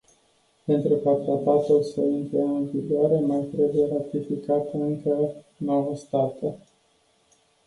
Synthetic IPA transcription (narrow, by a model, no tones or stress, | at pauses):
pent̪ɾukat̪ɾat̪at̪ulsəint̪ɾəɨnviɡoaɾemart̪ɾe̞buje̞ɾat̪ifikat̪ɨŋkə | nowəst̪at̪e